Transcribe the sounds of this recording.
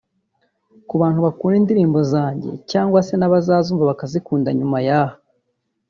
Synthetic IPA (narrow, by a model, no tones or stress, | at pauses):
kuβaːn̥huβakuːɾindiɾiːmbo̞zaːɲɟe̞̰caːŋɡwase̞naβazaːzuːɱvaβakazikuːnda̰ɲumajaha